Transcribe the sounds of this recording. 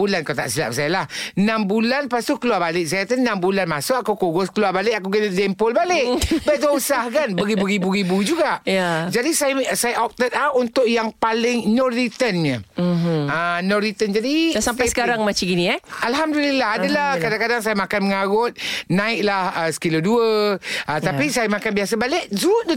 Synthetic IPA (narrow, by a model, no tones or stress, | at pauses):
bulankawt̪a̰ʔsila̰ʔbsajalahnambulanpast̪ukəluabalɪksajat̪ənambulanmasʊʔakowkoɡʊskəluabalɪʔakuɡallɛmpʊlbalɪkbəd̪ausahkanbəɣibuɾibuɣibud͡ʒuɡaʔjad͡ʒadisajasajaʔɔp̚t̪ət̪̚launt̪ʊʔjaŋpalɪŋnɔɾit̪ənɲə | ənɔɾit̪ənd͡ʒadisamt̪asə̥kaɾaŋmat͡ʃiɡinĩɛalɦamdulilaɦadalahkadakadaŋsajamakanməŋaɣʊt̪̚nãɪʔlahəsə̥kiloduəət̪apisajamakanbiasabalɪʔzud